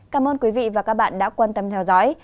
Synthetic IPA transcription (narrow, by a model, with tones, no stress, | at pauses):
kaː˨˦mʔəː˧nkwi˨˦vḭ˧˨vaː˨˩kaː˦˥k̚ɓa̰ː˧˨nɗa̰ː˧˥kwaː˧nt̪ə˧mt̪ʰɛ˧wzɔ̰˧˥j